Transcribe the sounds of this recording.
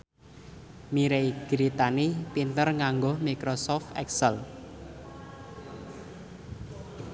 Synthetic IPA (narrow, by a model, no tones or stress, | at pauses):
miɾejɡ̥ɾit̪anipint̪ərŋaŋɡɔhmikɾosɔft̪ɛ̰ksəl